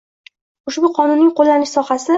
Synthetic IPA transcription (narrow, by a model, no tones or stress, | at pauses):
ʊʃbʊqʰɒnʊnːɪŋʲqʰolːanɪʃsɒχasɪ